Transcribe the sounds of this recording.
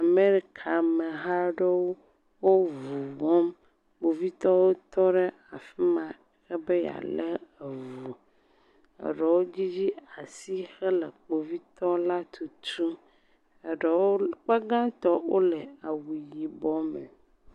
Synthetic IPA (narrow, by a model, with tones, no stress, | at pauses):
a˨me˦ɾi˦kʰa˨mɛ˨ɦa˦ɖe˦wo˦ | wo˦vu˨vɔ˦m | k͡po˨vi˦t̪ɔ˦wo˦t̪ɔ˦ɖɛ˦ | a˨fi˦mã˨ | xɛ˦be˦ja̰˨lɛ˦ə˨vu˨ | ə̰˨ɖə˨wo˦d͡ʑi˦d͡ʑi˦a˨si˦xɛ˦lɛ˨k͡po˨vi˦t̪ɔ˦la˦t̪ʰu˨t̪u˦ | ɛ˨ɖɛ˨wo˦k͡pɛ˦ɡã˦t̪ɔ˦wo˦lɛ˨a˨wu˨ji˨bɔ˦mɛ̰˨